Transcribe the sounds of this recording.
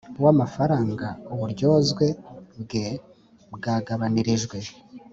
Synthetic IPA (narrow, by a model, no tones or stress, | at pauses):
wamafaɾaːŋɡauβuɾɟo̞ːzɡwe̞bɡe̞ | bɡaːɡaβaniɾiʒɡwe̞